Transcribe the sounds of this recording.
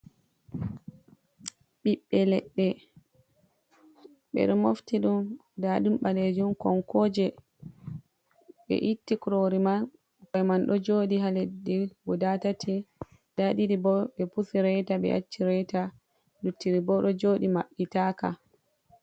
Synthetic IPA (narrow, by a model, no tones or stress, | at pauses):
ɓiɓːɛlɛ̰ɗːɛ | ɓɛ̰ɗɔmoftiɗum | daɗumɓaled͡ʒumkɔnkɔːd͡ʒɛ | ɓɛ̰ʔitːikɾoɾiman | kɔjmanɗɔd͡ʒoːɗiɦaledːiɡɔdatatʰi | daɗidibɔɓɛpusiɾɛjtaɓɛ̰ʔa̰t͡ʃːiɾɛjta | dutːiɾibɔɗɔd͡ʒoːɗimaɓːitaːka̰